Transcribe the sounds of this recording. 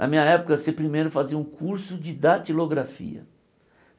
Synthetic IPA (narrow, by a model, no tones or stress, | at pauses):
nʔɐ̰mĩɲɐɛpʊkɐsepɾimejɾʊfaziɐũkʰuɾsʊd͡ʒɪd̪at͡ʃiloɡɾafḭɐ̰